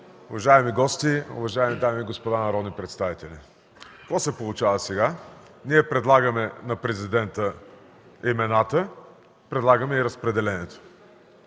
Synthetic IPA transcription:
ʊvɐʒaɛmiɡɔst̪iʊ̰vɐʒaɛmid̪amiːɡospod̪anɐɾɔd̪nipɾɛt̪st̪avit̪ɛli | kɔsɛpolˠʊt͡ʃavəsɛɡa | niɛpɾɛd̪lˠaɡəmɛnɐpɾɛzid̪ɛnt̪ə | imɛnat̪ə | pɾɛd̪lˠaɡəmɛiɾəspɾɛd̪ɛlɛnɛt̪o̥

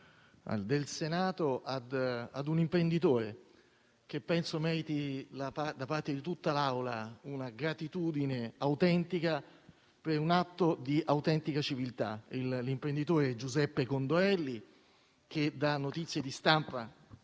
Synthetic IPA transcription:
d̪elsenaːt̪oad̪ad̪unimpɾend̪it̪oːɾe | k̟epːɛnsomɛːɾit̪ilapad̪apart̪ed̪it̪ut̪ːalawlaunaɡɾat̪it̪uːd̪ineawt̪ɛnt̪ika | peɾunat̪ːod̪iʔawt̪ɛnt̪ikat͡ʃivilt̪a̰illimpɾend̪it̪oːɾed͡ʒuzɛpːekond̪oɛlːi | k̟ed̪anːot̪it̪sːjed̪ist̪ampa

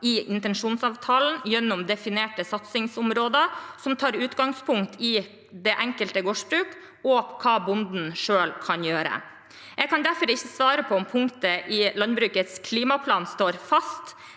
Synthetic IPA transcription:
ɪʔɪnt̪ɛnʂuːnsɑːʋt̪ʰɑːln̩jɛnːɔmd̪ɛfɪneːʈəsɑt̪sɪŋsʊmɾoːd̪əsɔmt̪ʰɑːɾʉːt̪ɡɑŋspʰʊŋkt̪ʰɪ | d̪ɛʔɛŋkəlt̪əɡoːʂbɾʉːk | ɔkʰɑːbʊnd̪n̩ʂøːlkʰɑnjøːɾə̰ | ʔɛɡkʰɑnd̪æɾfɔɾɪçːəsʋɑːɾəpʰɔɔmpʰʊŋkt̪əʔɪlɑnbɾʉːkət̪skʰliːmɑpʰlɑːnst̪oːɾfɑst̪

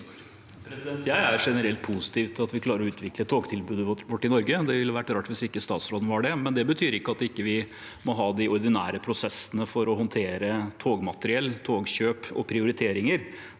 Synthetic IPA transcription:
pʰɾɛsd̪ɛnt̪jæɪæɾʂɛnəɾɛlt̪̚pʰusɪ̥t̪iːʋt̪ɑt̪ʋɪkʰlɑːɾəɾɔʉːt̪ʋɪklət̪ʰoːɡt̪ʰɪlbʉːd̪əʋɔʈːɪnɔɾɡəd̪ɛʋɪlːəʋæʈːɾɑːʈʋɪsɪkːəst̪ɑːt̪sɾoːd̪ən̩ʋɑɖɛmɛnd̪ɛbət̪ʰyːɾɪkːəɑt̪ɪkːəʋɪ | mɔɦɑːd̪ɪʔɔɾd̪ɪnæ̰ːɾəpʰɾʊsɛsːənəfɔɾɔɦɔnt̪ʰeːɾət̪ʰoːɡmɑt̪əɾɪɛlːt̪ʰoːɡɕøːpɔ̰pʰɾɪʊɾɪt̪ʰeːɾɪŋəɾ

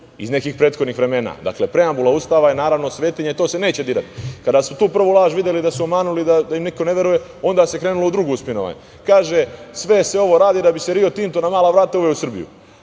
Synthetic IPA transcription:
ḭzne̞kixpɾe̞ːt̪xod̪nixʋɾe̞me̞ːna̰d̪a̰kle̞pɾe̞ambulaust̪aːʋajenaːɾaʋno̞sʋe̞ːt̪iɲet̪oːse̞ne̞ːt͡ɕe̞d̪iːɾa̰t̪i̥kad̪aːsmot̪uːpr̩ʋulˠaːʒʋid̪jelid̪asuomaːnulid̪ad̪ajimniko̞ne̞ʋjeɾuje̞ | o̞nd̪aːse̞kɾeːnuloud̪ɾuɡuuspinoʋa̰ɲ | kaːʒesʋe̞seo̞ʋo̞ɾaːd̪id̪abise̞ɾiot̪iːmt̪onamaːlaʋɾaːt̪auʋeusr̩bḭjṵ

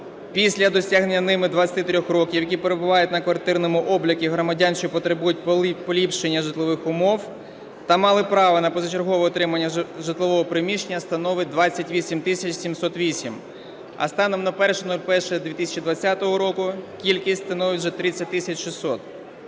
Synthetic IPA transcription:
pʲisʲlʲɐd̪ɔsʲaɦnenʲːɐnɪmɪd̪ʋɐt͡sʲɐt̪ɪt̪ɾʲɔxrɔkʲiwjɐkʲipeɾebʊʋɑjʊtʲnɐkʋɐrt̪ɪrnɔmʊʔɔblʲɐkʲiɦɾɔmɐdʲant͡ʃipɔt̪ɾebujʊt̚ʲpɔlʲipʃenʲːɐʒɪt̪lˠɔʋɪxʊmɔw | t̪ɐmɑlˠɪpɾɑʋɐnɐpɔzɐt͡ʃerɦɔʋɛɔt̪ɾɪmɐnʲːɐʒɪt̪lˠɔʋɔɦɔpɾɪmʲiʃenʲːɐst̪ɐnɔʋɪt̚ʲd̪ʋɑt͡sʲːɐtʲʋʲisʲimt̪ɪsʲɐt͡ʃsʲimsɔt̪ʋʲisʲim | ɐ̰st̪ɑnɔmnɐpɛrʃɛnulʲpɛrʃɛd̪ʲʋʲit̪ɪsʲɐt͡ʃid̪ʋɐt͡sʲːat̪ɔɦɔɾɔkʊkʲilʲkʲisʲtʲst̪ɐnɔʋɪtʲʒɛt̪ɾɪt͡sʲːɐt̚ʲt̪ɪsʲɐt͡ʃʃɪsːɔt̪

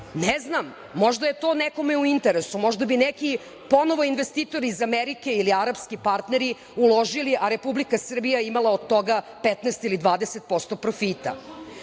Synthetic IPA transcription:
neznamː | o̞ʒd̪ajet̪o̞ːneko̞meuint̪eɾesumo̞ʒd̪abineki | po̞no̞ʋo̞inʋe̞st̪iːt̪o̞ɾiːzameɾike̞iliaɾapskipaɾt̪neɾi | ulo̞ʒiliʔaɾe̞publikasr̩bijaimalˠaod̪t̪o̞ɡa | pet̪nɛst̪ilid̪ʋaːd̪eset̪̚po̞st̪o̞pɾofit̪a̰

